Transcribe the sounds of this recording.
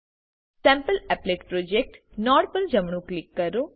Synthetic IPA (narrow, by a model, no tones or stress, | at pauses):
sɛ̃mpəlɛpleːʈpɾoːd͡ʒek̚ʈnɔːɽpəld͡ʒəmɳ̃ũklɪkːəɾoː